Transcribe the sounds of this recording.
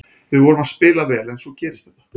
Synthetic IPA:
vɪðvɔːɾʏmaðspɪːlavɛːlɛnsɔcɛːɾɪst̪θɛ̥ht̪ːḁ

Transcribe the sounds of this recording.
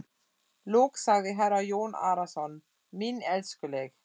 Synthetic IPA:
loːksaɡəɦæɾajoːna̰ːɾasɔn | minɛlskəleɡ

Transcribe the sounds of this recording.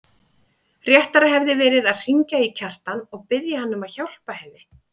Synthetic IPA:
rjɛht̪aɾaɦɛvðɪvɛːɾɪðaðr̥iɲcaicʰar̥t̪anɔɣpɪðjahanːʏmaðçawl̥pahɛnːɪ

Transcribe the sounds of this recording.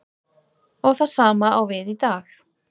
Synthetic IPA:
oθasaːmaowveːðit̪aːl

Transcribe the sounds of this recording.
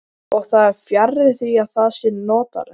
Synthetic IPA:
ɔɣθaðɛɾ̥fjaɾɪθviaðθaðsɪnɔːt̪a̰ɾɪ

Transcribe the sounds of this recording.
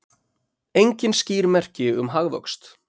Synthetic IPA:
ejɲcɪnsciːɾmɛr̥cɪʏ̰mɦaɣðɔ̰wkst̪

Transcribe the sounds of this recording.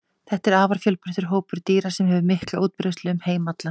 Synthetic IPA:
θɛht̪ɛɾaːvaɾ̥fjœlpɛ̥t̪ʏɾ̥ɦoːwpʏɾ̥t̪iːɾḁsɛmɦɛvʏmɪhklauːt̪̚pɾest̪lɪʏmheːjmat̪la

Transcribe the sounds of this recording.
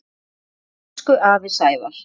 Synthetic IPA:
kʏʔaːvɪsaːjvaɾ̥

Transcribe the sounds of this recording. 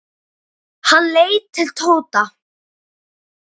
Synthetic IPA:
hanleːjtt̪ʰːɪlt̪ʰoːwt̪a

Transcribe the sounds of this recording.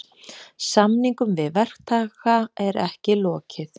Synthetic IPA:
samniŋkʏmvɪðvɛr̥kt̪ʰaːɣaɛɾɛhcɪlɔːcɪθ

